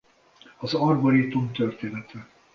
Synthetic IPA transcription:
ɒzɒrboɾit̪umt̪ørt̪eːnɛt̪ɛ

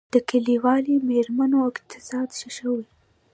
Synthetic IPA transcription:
d̪̥əkaliwɑlimeɾmanoɪqt̪ʰɪ̥sɑd̪ʃiʃəwi

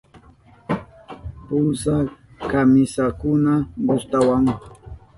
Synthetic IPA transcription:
pʊsakamɪsakʊnaɢʊst̪awaŋ

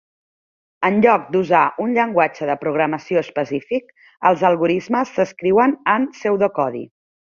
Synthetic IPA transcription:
ənʎɔk̚d̪uzaʔunʎəŋɡwad͡ʒəðəpɾuɣɾəməsioəspəsifik | əlˠzəlˠɣuɾizməsːəskɾiwənənsɛwðəkɔðḭ

